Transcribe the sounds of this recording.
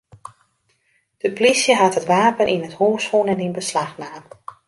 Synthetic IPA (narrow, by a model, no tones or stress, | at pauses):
d̥əplisjəɦatɦətʋaːpənʔinəthoːsfunɛninbəslaxnaːm